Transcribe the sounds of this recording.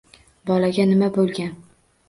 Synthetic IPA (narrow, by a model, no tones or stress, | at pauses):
bɒlaɡʲanɪmabolˠɡʲan